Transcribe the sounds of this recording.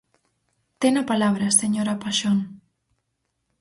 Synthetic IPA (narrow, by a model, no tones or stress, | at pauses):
t̪enapalaβɾaseɲoɾapaʃon